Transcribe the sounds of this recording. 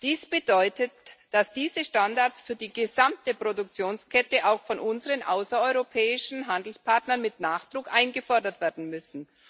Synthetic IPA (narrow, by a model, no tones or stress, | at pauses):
d̥iːsb̥ədɔʏtətd̥asd̥iːzəʃtandaɐtsfyːɐdiːɡəzamtəpʁ̥odʊk̚t͡sjoːnskʰɛtəʔaʊxfɔnʔʊnzəʁənʔaʊsɐɔʏʁopʰɛːɪʃn̩ɦandl̩spʰaɐtnɐnmɪtnaːχd̥ʁʊkʔaɪnɡəfɔɐdɐtv̥eːɐdn̩mʏsn̩